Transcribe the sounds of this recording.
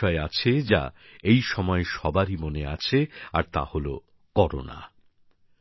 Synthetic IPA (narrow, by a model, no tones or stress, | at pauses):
ɔeat͡ɕʰed͡ʑa̰ejʃɔmɔeʃɔbaɾimoneat͡ɕʰeaɾt̪a̰holo | kɔɾo̰na̰